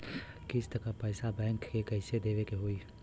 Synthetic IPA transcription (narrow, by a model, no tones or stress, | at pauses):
kɪst̪ɐkapɛːsabɛ̃ːŋkːekɛːɪsed̪eːʋekeɦoiː